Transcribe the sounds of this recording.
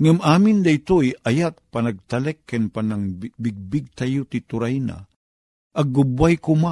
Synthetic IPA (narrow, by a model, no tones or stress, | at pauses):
ŋamaːmɪnd̪ɐɪt̪ojɐjak̚pɐnɐɡ̚t̪ɐlɛkːanpanaŋbiɡ̚bɪɡ̚t̪ajot̪it̪ʊɾajna̰ | ʔɐɡːʊbwajkʊma